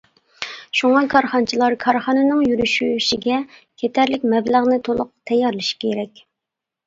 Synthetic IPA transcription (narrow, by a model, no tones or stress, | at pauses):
ʃuŋɑkʰɑɾχɑnt͡ʃʰilˠɑɾkʰɑɾχɑnɨnɨŋjyɾyʃyʃiɡʲɛkʲʰet̪ʰæɾlɪk̚ʲmɛbləʁnɪt̪ʰolˠʊq̚t̪ʰɛjɑɾlˠɨʃkʲʰeɾɛkʲ